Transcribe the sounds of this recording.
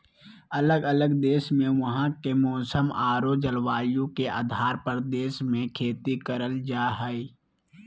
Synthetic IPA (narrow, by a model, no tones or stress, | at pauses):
ələɡələɡd̪eːʃmẽʋɐɦãkemɔːsəmaːɾod͡ʒəlwaːjõkeʔa̰ːd̪ʱaːɾpəɾd̪eːʃmẽkʰeːt̪ikəɾəld͡ʒaːɦɛi